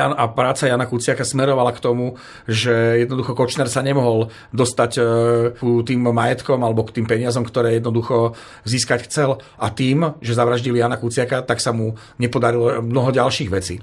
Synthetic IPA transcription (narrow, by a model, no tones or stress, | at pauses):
anapɾaːt͡sajaːnakut͡sɪakasmɛɾɔʋalakt̪ɔmu | ʒɛjɛd̪nɔd̪uxɔkɔt͡ʃnɛɾsaɲɛmɔɦɔl | d̪ɔst̪ackut̪iːmːajɛt̪kɔmalɛbɔkt̪iːmpɛɲɪazɔmkt̪ɔɾɛːjɛd̪nɔd̪uxɔ | ziːskacxt͡sɛlʔat̪iːmʒɛzaʋɾaʒɟilijaːnakut͡sɪakat̪aksamu | ɲɛpɔd̪aɾilɔmnɔɦɔɟalʃiːɣʋɛt͡sḭː